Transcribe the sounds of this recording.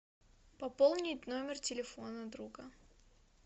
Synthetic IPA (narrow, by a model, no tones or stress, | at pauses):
pɐpolˠnʲɪtʲnomʲɪrtʲɪlʲɪfonəd̪ɾuɡə